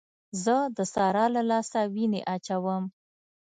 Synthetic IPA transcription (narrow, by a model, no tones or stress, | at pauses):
zəd̪əsɑɾɑlalɑsawineʔat͡ʃawəm